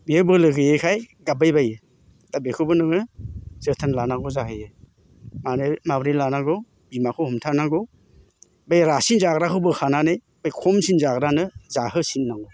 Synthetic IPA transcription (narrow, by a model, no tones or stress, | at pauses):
biebɯlɯɡɯjekʰajɡabajbajɯ | d̥abekʰɯbɯnɯŋɯzɯtʰanlanaɡɔzaɦɯjɯ | manemabɾelanaɡɔ | bimakʰohɔmtʰanaɡɔ | bajɾasinzaɡɾakʰɯbɯkʰananɯj | b̥ajkʰɔmsinzaɡɾanɯzahɯsinːaŋɔ